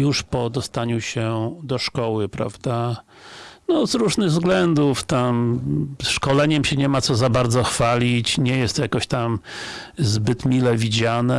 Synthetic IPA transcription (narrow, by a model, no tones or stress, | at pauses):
juʂpɔd̪ɔst̪aɲuɕɛd̪ɔʂkɔwɘpɾa̰vd̪a | nɔzɾuʐnɘɣvzɡlɛnd̪uft̪amsʂkɔlɛɲɛmɕɛɲɛmat̪sɔzabaɾd̪zɔxfalʲit͡ɕɲɛjɛst̪jakɔɕt̪am | zbɘt̪mʲilɛvʲid͡ʑanɛ